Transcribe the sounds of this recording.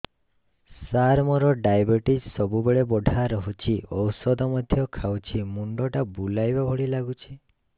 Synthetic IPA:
saɾmɔɾɔɖajbiʈid͡ʒsɔbubeɭebɔɖʱaɾɔɦut͡ʃʰiɔwsɔd̪ɔmɔd̪ʱjɔkʰawt͡ʃʰimuɳɖɔʈabulajbabʱɔɽilaɡut͡ʃʰi

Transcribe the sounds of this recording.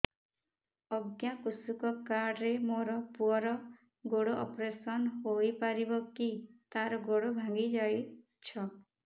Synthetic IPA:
ɔɡjakusukɔkaɾɖɾemoɾɔpuɔɾɔ | ɡoɽoʔɔpɾesɔnɦojpaɾibɔkit̪aɾɔɡoɽobʱãŋɡid͡ʒaj | t͡ʃʰɔ

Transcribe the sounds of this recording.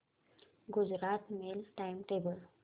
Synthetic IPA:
ɡud͡ʑɾat̪melʈajmʈebəl

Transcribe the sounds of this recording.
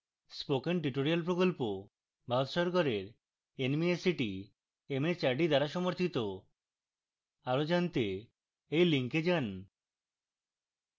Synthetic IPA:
spokenɖiʈoɾialpɾokolpo | bʱaɾot̪ʃɔɾɡɔɾeɾ | enmiesiʈi | emet͡ɕaɾɖid̪aɾaʃɔmoɾt̪ʰit̪o | aɾod͡ʑant̪e | ejliŋked͡ʑan

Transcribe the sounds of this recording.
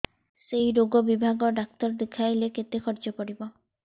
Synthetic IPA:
sejɾoɡɔbibʱaɡɔɖak̚t̪ɔɾd̪ekʰajleket̪ekʰɔɾd͡ʒɔpɔɽibɔ

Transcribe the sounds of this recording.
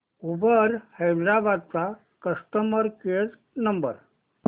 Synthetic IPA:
ubəɾhəjd̪ɾabad̪̚t͡sa | kəsʈ̪əməɾkeɽ | nəmbə̰ɾ

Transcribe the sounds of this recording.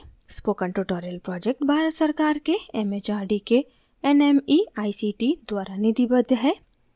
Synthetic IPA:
spoːkə̃ɳʈuʈoːɾijəlpɾɔːd͡ʒek̚ʈbʱaːɾət̪sɐɾkaːɾkeɛmet͡ʃaːɾɖike | ɛnɛmiaːisiʈid̪waːɾanɪd̪ibəd̪ʱɦɛː

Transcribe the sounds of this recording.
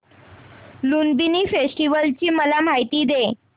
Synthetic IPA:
lunbiniːfesʈiʋəlt͡ɕiːməlam̤ajt̪iːd̪e

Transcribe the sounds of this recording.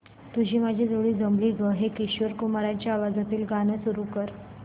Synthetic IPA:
t̪ud͡ʑʱiːmad͡ʑʱid͡zoɭiːd͡zəmliːɡəɦekiɕʋəɾkumaɾaɲt͡ɕjaːʋad͡zat̪iːlɡanəsuɾuːkəɾ

